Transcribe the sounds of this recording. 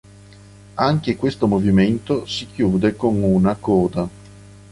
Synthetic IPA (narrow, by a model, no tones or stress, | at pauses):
aŋk̟ekwest̪omoviment̪osikjuːd̪ekoŋunakɔːd̪a